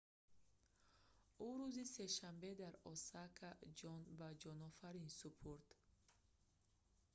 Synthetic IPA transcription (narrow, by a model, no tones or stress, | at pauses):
uɾuziseʃambed̪aɾɔsakʰad͡ʒɔnbad͡ʒɔnɔfaɾinsupʰuɾd̪̥